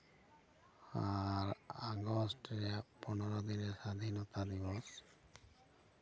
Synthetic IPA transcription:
aɾaɡɔsʈɾepɔnɔɾɔd̪inesad̪ʱinɔt̪ad̪ibɔs

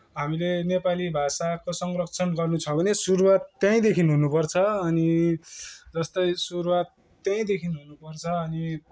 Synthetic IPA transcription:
ɦamilenepalibʱasakosʌŋrʌkt͡sʰʌnɡʌrnut͡sʰʌbʌnesuɾuwat̪ːjãĩd̪ekʰinɦunupʌrt͡sʰʌːni | d͡zʌst̪ʌjsuɾuwat̪ː | jãĩd̪ekʰinɦunupʌrt͡sʰʌːni

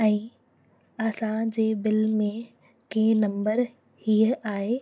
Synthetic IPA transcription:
ɛ̃ː | ɐsãd͡ʑeːbɪlmẽ | kẽnɐ̃mbəɾ | hiːəʔaːɦe

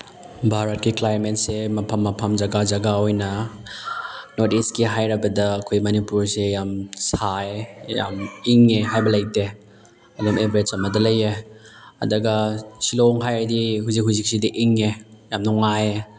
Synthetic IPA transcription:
bʱaɾɐt̚kiklajɾmentsemɐpʰɐmːɐpʰɐmd͡ʒɐɡad͡ʒɐɡaojnɐ | notiskiɦajɾɐbɐdɐːkʰojmɐnipuɾsejamsaeja̰miŋeɦajbɐlɐjte | ɐdomebɾet͡ʃɐmɐdɐlɐje | ɐ̰dɐɡɐsiloŋɦajɾdiɦuzik̚ɦuzik̚sidiʔiŋejamnuŋaje

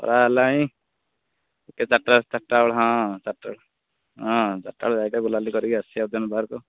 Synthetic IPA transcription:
ɔ̰ɾalãĩ | eket͡ʃaʈːaɭt͡ʃaʈːawɭɦãt͡ʃaʈːa̰ɭ | ɦãt͡ʃaʈːa̰ɭd͡ʒajkaɡulalikɔɾiɡiasiɔd̪ʱɔnbʱaɾkɔ

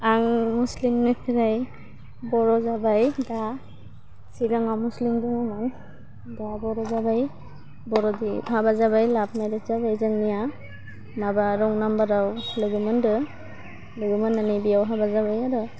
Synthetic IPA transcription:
aŋmuslimnɯpʰiɾaj | bɔɾɔzabajda | siɡaŋamuslimduŋɯmaŋ | dabɔɾɔzabaj | bɔɾɔdiɦabazabajlap̚ʰmajdetzabajzaŋnija | mabaɾɔŋnambaɾawlɯɡɯmɯndɯ | lɯɡɯmɯnːanibijawɦabazabajaɾɯ

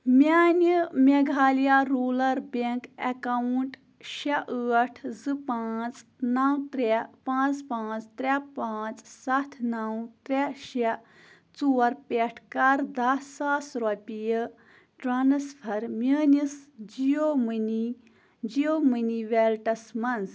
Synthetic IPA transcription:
mʲaːnimʲeɡʱaːlijaɾuːlɐɾbeŋkekawuɳʈ | ʃɐʔəːʈʰzɨpaːt͡snɐwt̪ɾepãːt͡spãːt͡st̪ɾʲepaːt͡ssɐt̪ʰnɐwt̪ɾeʃɐ | t͡suːɐɾpʲeʈʰkɐɾd̪ɐsaːsɾɔpʲijə | ʈɾanɐspʰɐɾmʲəːnisd͡ʒijomɨni | d͡ʒijoːmɨniʋelʈɐsmɐnz

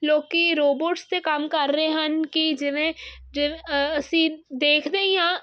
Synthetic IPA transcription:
loːkiɾoːboːʈst̪ekɐmkəɾːəɦeɦənkid͡ʒɪʋẽd͡ʒɪɐsĩd̪eːkʰd̪eːiãː

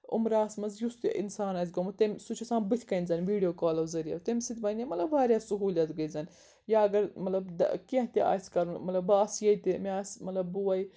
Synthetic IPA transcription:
ṵmɾaːsmɐzjust̪ʔḭnsaːnɐːzɡɐmɐt̪emʲsut͡ʃʰɐsaːbɨt̪ʰʲkɐnʲzɐnʋiːɖijoːkaːlɐwzɐɾijɐ̰t̪emʲsit̪ʰʲbɐnʲjɐmɐt̪lɐbʋaːɾjaːsuɦuːlɐt̪ɡɐjzɐn | jaːɐɡɐɾmɐt̪lɐbd̪̰keɦt̪iʔa̰sʲkɐɾunmɐt̪lɐbaːsjɐit̪emeasmɐt̪lɐbːuɐj

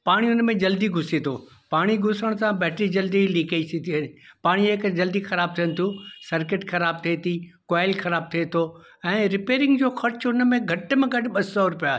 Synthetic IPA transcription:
paːɽ̃iʊnmẽd͡ʑɐld̪iɡʱʊset̪ʰo̰ː | paːɽ̃iɡʱʊsəɽ̃sãbɛːʈɾid͡ʑɐld̪iliːkaisit̪ʰiɐpaːɽ̃ieːkd͡ʑɐld̪ixɐɾaːb̚t̪ʰijə̃nɪ̆t̪ʰũsɐɾkɪʈxɐɾaːb̚t̪ʰiet̪ʰikaːɪlxɐɾaːb̚t̪ʰiet̪ʰo | ɛ̃ːɾɪpeːɾɪ̃ŋɡd͡ʑoːxɐɾt͡ɕʊnmẽɡʱɐʈmẽɡɐɖɪɓɐsɔɾʊpijaːɦ

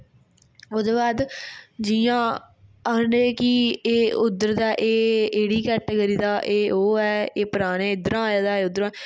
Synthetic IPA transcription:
ʊd̪oːbaːd̪d͡ʒɪjãː | əneːkiːeːʊd̪əɾd̪aːʔeːeːɽiːkɛːʈːeɡəɾiːd̪aːʔeːoːɛːeːpəɾaːneːɪd̪əɾãːjaːd̪aːeːʊd̪ɾãː

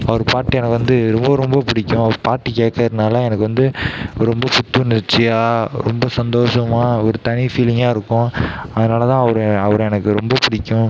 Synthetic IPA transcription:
ɐʋɐɾɯpaːʈːɯɛnɐkːɯʋɐnd̪ɯɾɔmbɐɾɔmbɐpɪɽɪkʲːʊ̃ɐʋɐɾpaːʈːɯkeːʈkːɐðɯnaːlɐɛnɐkːɯʋɐnd̪ɯɾɔmbɐpʊt̪ːɐnɪɾt͡ʃːɪjaːɾɔ̰mbɐsɐnd̪oːʂɐmaːɔɾɯt̪ɐɳɪfiːlɪŋɡaːɪɾɯkːʊ̃ɐðɯnaːlɐt̪ãːɐʋɐɾɐʋɐɾ̃ɛnɐkːɯɾɔmbɐpɪɽɪkʲːʊ̃

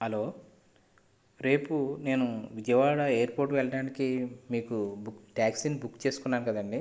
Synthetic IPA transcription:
ɦɐlo̞ː | ɾe̞ːpune̞ːnuʋid͡ʒɐjɐʋaːɽɐe̞ːɾpoːɾʈʋɛɭɐɽaːnikimiːkubukʈaːksinibukːt͡ʃe̞ːsu̥kunːaːnukɐd̪ɐɳɖi

